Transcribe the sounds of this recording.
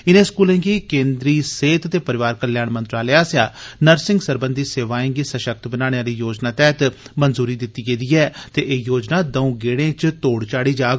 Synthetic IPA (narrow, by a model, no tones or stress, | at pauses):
ɪnẽːskuːlẽːɡiːkẽːnd̪ɾiːseːt̪t̪eːpəɾɪʋaːɾkəljaːɳmənt̪ɾaːleaːsjaːnəɾsɪ̃ŋɡsəɾbə̃nd̪ʱiːseːʋaːẽːɡiːsəʃək̚t̪bənaːɽ̃ejãːɾiːjoːd͡ʒnaːt̪ɛːt̪mənzuːɾiːd̪ɪt̪ːiːɡeːd̪iːɛːt̪eːʔeːjoːd͡ʒnaːd̪əũːɡeːɽẽːt͡ʃt̪oːɽt͡ʃaːɽiːd͡ʒaːɡ